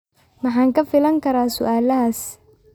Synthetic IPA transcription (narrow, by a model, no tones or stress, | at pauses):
mɐħaːŋkɐfɪlɐŋkʰɐɾaːsʊ̰ʔaːlɐɦaːs